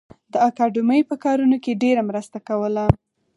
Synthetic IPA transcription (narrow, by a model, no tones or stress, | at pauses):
d̪əakɑɖʊməjpəkɑɾunokeɖeɾamɾəst̪akawəla